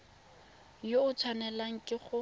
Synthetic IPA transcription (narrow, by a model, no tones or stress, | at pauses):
joʊt͡sʰwanɛlaŋ̩kʼɪχʊ